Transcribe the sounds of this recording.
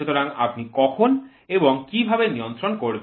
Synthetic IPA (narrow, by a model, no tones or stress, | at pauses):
ut̪oɾaŋa̰pnikɔkʰon | eboŋkibʱabeniont̪ɾonkoɾb